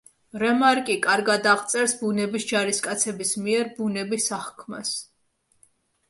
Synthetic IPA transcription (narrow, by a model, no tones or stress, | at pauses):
ɾɛmaɾkʼikʼaɾɡad̪aʁt̪sʼɛɾsbunɛbisd͡ʒaɾiskʼat̪sʰɛbismiɛɾbunɛbisaχkʰma̰s